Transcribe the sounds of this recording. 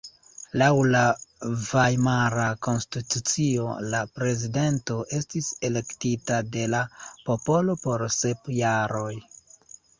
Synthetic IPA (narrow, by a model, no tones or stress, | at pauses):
lawlavajmaɾako̞nstitut͡sio̞̰lapɾe̞zide̞nto̞ʔe̞stise̞le̞ktitade̞lapo̞po̞lo̞po̞ɾse̞pjaɾo̞j